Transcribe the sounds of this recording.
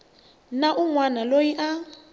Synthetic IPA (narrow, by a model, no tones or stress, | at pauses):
naʔuŋwanalojiʔa